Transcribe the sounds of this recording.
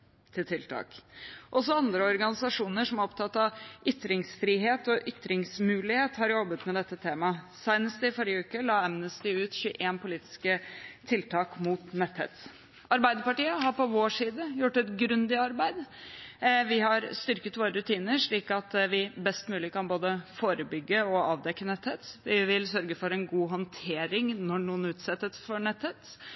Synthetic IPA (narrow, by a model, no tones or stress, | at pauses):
t̪ʰɪlt̪ʰɪlt̪ʰɑ̰ːkʔɔs̬ɔɑnd̪ɾəɔɾɡɑnɪsɑʂuːnəʂɔmæɾɔp̚t̪ʰɑt̪ːɑʋʔʏt̪ɾɪŋsfɾiːɦeːt̪ɔʔʏt̪ːɾɪŋsmʉːlɪheːt̪hɑɾjɔbːət̪mɛd̪ɛt̪ːət̪ʰeːmɑ | sæɪnəst̪ɪfɔɾɪjəʉːkəlɑːɛmnəst̪ɪʉːt̪çʉːʔeːnpʊliːt̪ɪ̥skət̪ʰɪlt̪ʰɑːkmuːt̪nɛt̪hɛ̰ːt̪ | ɑɾbæɪd̪əɾpɑʈiːəɦɑɾpɔʋoːʂiːd̪əjʊʈːɛt̪ɡɾʉnd̪ɪɑɾbæɪd̪ | ʋɪɦɑɾst̪ʏɾkət̪ʋoːɾəɾʉt̪ʰiːnəɾʂɭiːkɑt̪ʋɪbɛst̪mʉːlɪkɑnboːd̪əfoːɾəbʏɡːəɔɑːʋd̪ɛkːənɛt̪heːt̪ʋɪʋɪlsœɾɡəfɔɾɛnɡuːɦɔnt̪ʰeːɾɪŋnɔɳuːənʉːt̪sɛt̪ːət̪sfɔɾɳɛt̪hət̪